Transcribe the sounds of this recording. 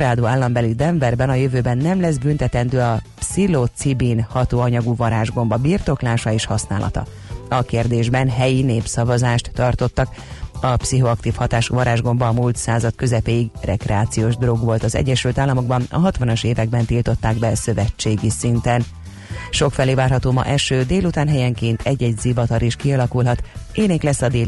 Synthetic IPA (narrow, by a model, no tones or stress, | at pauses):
ɾaːd̪oːaːlːɒmbɛlid̪ɛɱvɛrbɛnɒjøvøːbɛnːɛmlɛzbynt̪ɛt̪ɛnd̪øːɒpsilot̪sibiːnhɒt̪oːɒɲɒɡuvɒɾaːʒɡo̞mbɒbirt̪o̞klaːʃɒeːʃhɒsna̰ːlʔɒ̰t̪ɒ̰ | ɒkeːrd̪eːʒbɛnɦɛjineːpsɒvɒzaːʃt̪ːɒrt̪o̞t̪ːɒk | ɒpsiɦo̞ɒkt̪iːfhɒt̪aːʃuvɒɾaːʒɡo̞mbɒːmult̪saːzɒt̪kø̞zɛpeːiɡrʔɛkrɛaːt̪sijoːʒd̪ro̞ɡʋo̞lt̪ɒzɛ̰ɟːɛʃylt̪aːlːɒmo̞ɡbɒnɒ̰ɦɒt̪ʋɒnoʃeːvɛɡ̚bɛnt̪ilt̪o̞t̪ːaːɡbɛsø̞vɛt͡ʃːeːɡisint̪ɛn | ʃo̞kfɛleːvaːrɦɒt̪oːmɒ̰ʔɛʃøːd̪eːlut̪aːnɦɛjɛŋkeːnt̪ʰɛɟːɛɟzivɒt̪ɒɾiʃkiɒlɒkulɦɒt̪eːniklɛsːɒd̪eː